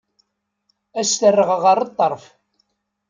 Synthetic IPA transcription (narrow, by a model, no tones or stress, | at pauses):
æsθərːəʁəʁəɾˤət̪ˤːəɾˤf